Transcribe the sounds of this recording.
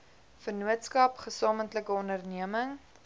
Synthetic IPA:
fərnuətskɐpχəsɑːməntləkəɔndərniəməŋ

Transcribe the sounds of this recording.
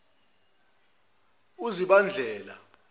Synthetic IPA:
uziɓand͡ɮʱɛːla̰

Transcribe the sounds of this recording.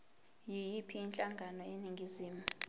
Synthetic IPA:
jijipʰiːnt͡ɬʼaŋɡʱanɔeniŋɡʱiziːmu

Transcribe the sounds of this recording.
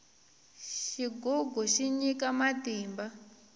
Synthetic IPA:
ʃiɡɔɡʱɔʃiɲikamatiːmba

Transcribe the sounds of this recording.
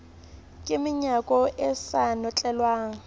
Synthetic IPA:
kʼɪmɪɲakʼɔʔɛsanɔt͡ɬʼɛlwaːŋ̩

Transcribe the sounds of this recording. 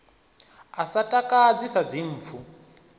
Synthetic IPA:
asatʼakʼad͡zisad͡zim̩ːfʰu

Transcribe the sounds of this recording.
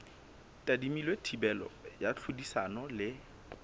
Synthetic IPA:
tʼadimilwetʰibɛlɔ̰jat͡ɬʰʊdisanɔlɪ

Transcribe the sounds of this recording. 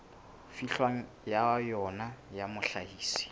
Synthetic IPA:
fiɬwaŋ̩ | jajɔnajamʊɬahiːsi̥

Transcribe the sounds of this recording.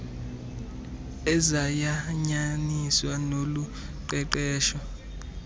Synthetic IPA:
ɛzajaɲaniswanoluǃɛǃɛːʃɔ

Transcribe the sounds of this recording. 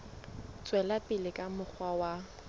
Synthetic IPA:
t͡sʼwɛlapʼɪlɪkʼamʊk͡xʰwawa

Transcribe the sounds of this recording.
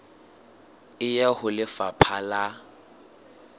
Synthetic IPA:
ɪjɛhʊlɪfapʰala

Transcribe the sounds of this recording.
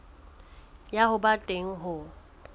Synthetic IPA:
jahʊbatʼeŋ̩ɦʊ

